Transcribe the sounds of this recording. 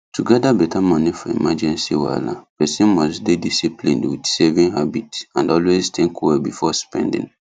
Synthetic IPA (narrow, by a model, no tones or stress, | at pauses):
tʰuɡɛdabɛtʰamɔnifɔḭmad͡ʒɛ̃nsiwa̰la̰pɛsɛ̃nmɔsdedisiplḭ̃ndwidsɛvĩŋhabitãndɔlweztʰɛ̃ŋkʰwɛbifɔspɛ̃ndḭ̃ŋ